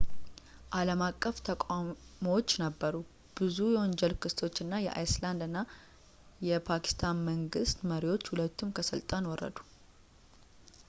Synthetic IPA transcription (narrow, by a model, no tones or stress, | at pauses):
ʔaləmakʼːəft̪ʰəkʷʼamowot͡ʃːnəbːəɾu | b̥ɨzujɛwɔnd͡ʒɛlkʰɨst̪ʰo̞t͡ʃːɨnːajɛʔa̰jsland̪ɨnːa | jɛpʰaki̥st̪ʰanməŋɡɨst̪məɾiwo̞t͡ʃːhulət̪ʰːumkʰəsɨlt̪ʼanwɔrːə̰d̪u̥